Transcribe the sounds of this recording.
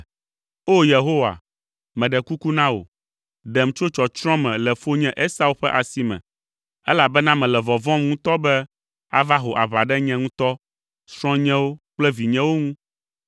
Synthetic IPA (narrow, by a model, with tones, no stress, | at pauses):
o˦je˨ɦo˦wa̰˨ | mɛ̃˨ɖɛ˨ku˦ku˦nã˦wo̰˨ | ɖɛ˨m˨t͡ʃo˦t͡ʃɔ˨t͡ʃɾ̃ɔ̃˦mɛ̃˨lɛ˨fo˦ɲɛ̃˦ʔe˦sa˦u˦ɸɛ˦ʔa˨si˦mɛ̰̃˨ | ɛ˦la˨bɛ˦nã˦mɛ̃˨lɛ˨vɔ˨vɔ̃˦m˦ŋũ˦t̪ɔ˦bɛ˦ | a˦va˦ɦo˨ʔa˨βa˨ɖɛ˦ɲɛ̃˦ŋũ˦t̪ɔ˦ | sɾ̃ɔ̃˦ɲɛ̃˦wo˦k͡plɛ˦vi˨ɲɛ̃˦wo˦ŋũ˦